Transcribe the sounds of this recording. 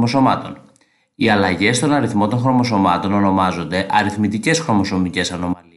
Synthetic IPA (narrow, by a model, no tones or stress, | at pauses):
oso̞mɐt̪o̞̰n | iɐlɐʝe̞st̪o̞nɐɾiθmo̞t̪o̞ŋxɾo̞mo̞s̬o̞mɐt̪o̞nono̞mɐzo̞nd̪e̞ʔɐɾiθmit̪ice̞sxɾo̞mo̞so̞mice̞sɐno̞mɐl